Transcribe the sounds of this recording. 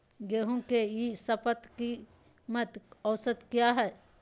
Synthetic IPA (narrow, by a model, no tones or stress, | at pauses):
ɡeːɦũkejisɐpət̪ki | mət̪ɔːsət̪kjaɦɛː